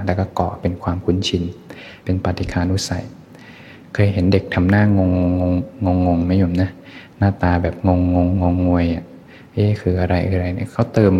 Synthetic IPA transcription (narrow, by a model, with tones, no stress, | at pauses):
lɛː˧˥˩kɔː˥˩kɔː˨˩pe˧nkʰwaː˧mkʰu˧˥˨nt͡ɕʰi˧n | pe˧npa˧t̪ʰi˨˧˩kʰaː˧nʔuː˦˧˥sa˨˩j | kʰɤː˧jɦe˩˦nde˨˩k̚t̪ʰa˧mnaː˥˩ŋo˧ŋːo˧ŋo˧ŋŋo˧ŋːo˧ŋna˦˥˩jo˧˩mna˦˥ | naː˥˩t̪aː˧bɛː˨˩p̚ŋo˧ŋːo˧ŋːo˧ŋːu˧əjʔa˨˩ | ʔeː˦˧˥kʰɯː˧ʔa˧ɾa˧jʔa̰˧ɾa˧jni˧˥kʰa˦˥˩wt̪ɤː˧m